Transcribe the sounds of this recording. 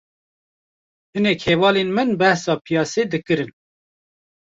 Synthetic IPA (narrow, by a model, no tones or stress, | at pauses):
hɨnekheːvɑːlenmɨnbɛhsɑːpʰijɑːseːd̪ɨkɨɾɨn